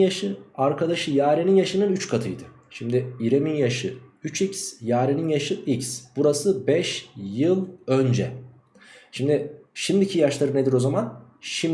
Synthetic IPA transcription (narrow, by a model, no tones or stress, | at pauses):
jaʃɯaɾkʰad̪aʃɯjaːɾeninjaʃɯnɯnyt͡ʃkʰat̪ʰɯjd̪ɯ | ʃimd̪ɪiɾeminjaʃɯyt͡ʃʰicsjaːɾeninjaʃɯʔicsb̥uɾasɯbɛʃjɯlˠø̞nd͡ʒɛ | ʃimd̪ɪʃimd̪icʰijaʃlˠaɾɯne̞d̪iɾo̞zamanʃim